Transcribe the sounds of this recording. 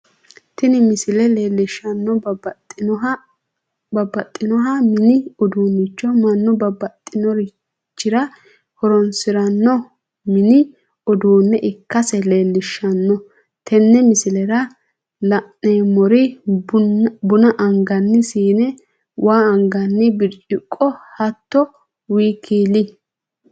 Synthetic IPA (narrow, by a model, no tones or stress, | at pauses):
t̪ɪnɪmɪsɪlɛleːlːɪʃːɐnːɔt | bɐbɐt̪ʼːɪnɔɦɐmɪnɪɔd̪uːnːɪt͡ʃːɔmɐnːɔbɐbɐt̪ʼːɪnɔɾi | t͡ʃːɪɾɐ | hɔɾɔnsɪɾɐnːɔ | mɪnɪ | ɔd̪uːnːɛʔɪkːɐsɛleːlːɪʃːɐnːɔ | t̪ʰɛnːɛmɪsɪlɛɾɐ | lɐnːeːmɔɾɪ | bʊnɐʔɐŋɡɐnːɪsiːnɛ | wʔaːɐŋɡɐnːɪbɪɾʔɪkʼːɔhɐt̪ːɔ | wiːkʰiːlɪ